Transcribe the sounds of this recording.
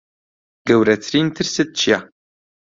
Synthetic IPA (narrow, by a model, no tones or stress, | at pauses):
ɡ̥ɐwɾɐtʰrintʰɨrsɨt̪̚t͡ʃʰja